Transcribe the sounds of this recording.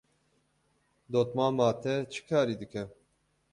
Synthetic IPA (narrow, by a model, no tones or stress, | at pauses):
d̪oːt̪maːmaːt̪ʰɛt͡ʃʰɨ̥kʰaːɾiːd̪ɨkʰɛ